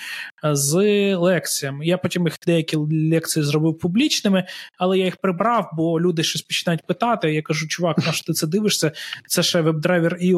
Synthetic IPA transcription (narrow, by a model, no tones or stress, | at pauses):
zlˠɛk̪sʲijɐmɪjapɔtʲimjixd̪ɛjɐkʲilʲɛk̚t̪sijizɾɔbɪwpʊblʲit͡ʃnɪmɪɐlˠɛjajixpɾɪbɾɑwbɔlʲud̪ɪʃt͡ʃɔsʲpɔt͡ʃɪnɑjʊt̚ʲpɪt̪ɑt̪ɪɐjakɐʒut͡ʃʊʋɑknɐʃɔ̥t̪ɪt̪sɛd̪ɪʋɪʃsʲɐt̪sɛʃɛʋɛb̚d̪ɾɛʋʲiri